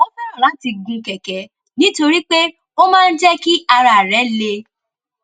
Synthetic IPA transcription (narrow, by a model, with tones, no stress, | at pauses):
ɔ˦sa˦ɾɔ˨la˨˦ti˧ɡũ˧kɛ˨kɛ˨˦ | nĩ˦to˧ɾi˦k͡pe˦ | o˦mãː˦n̩˦d͡ʒɛ˦ki˦a˧ɾa˨ɾɛ˨˦le˧